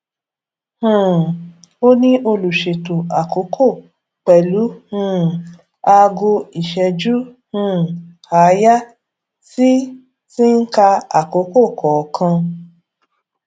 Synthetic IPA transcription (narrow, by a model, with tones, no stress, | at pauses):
hũ˨ | o˦nĩ˦ʔo˧lu˨ʃe˨to˨ʔa˨ko˨˦kʰo˦˨ | k͡pɛ˨lu˨˦hũ˦˧˨ | a˧ɡo˧i˨ʃɛ˧d͡ʒu˦hũ˧˨ | a˨˦ja˦ | ti˦ | ti˦n̩˦ka˧a˨ko˨˦ko˦˨kʰɔ˨kʰã˧